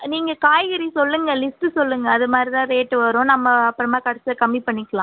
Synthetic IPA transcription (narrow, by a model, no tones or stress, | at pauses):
niːŋɡɐkaːjɣɐɾisɔlːɯŋɡɐlɪsʈɯsɔlːɯŋɡɐːðɯmaːd̪ɾit̪ãːɾeːʈːɯʋɐɾõːnɐmːɐɐpːɯɾɐmaːkɐɽɐsɐkɐmːipɐɳːɪkːɐlãː